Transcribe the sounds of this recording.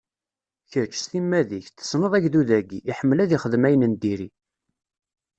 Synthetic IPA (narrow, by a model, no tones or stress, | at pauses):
çəɾt͡ʃːsθimːæðiçθə̥snəðˤæʝðuðæɡiiħəmːəlæðiχəðmæjənənd̪iɾi